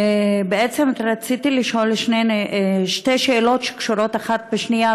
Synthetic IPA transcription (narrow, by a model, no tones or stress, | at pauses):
beʔet͡semtɾat͡sit̪iliʃo̞lʃneneʃte̞ʃeːlo̞tʃe̥kʃuɾo̞t̪aχat̪̚beʃnia